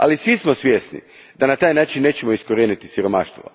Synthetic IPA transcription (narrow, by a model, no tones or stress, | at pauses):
a̰lisʋismosʋʲjeːsnḭ | d̪anat̪aːjnaːt͡ʃinːe̞ːt͡ɕemoiskoɾeːnit̪isiɾo̞ma̰ʃt̪ʋo̰